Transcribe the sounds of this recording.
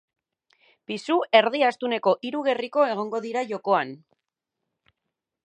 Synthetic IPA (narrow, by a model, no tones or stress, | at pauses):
pisue̞ɾðiast̪une̞ko̞ʔiɾuɣe̞riko̞e̞ɣ̞o̞ŋɡo̞ðiɾaʝo̞ko̞an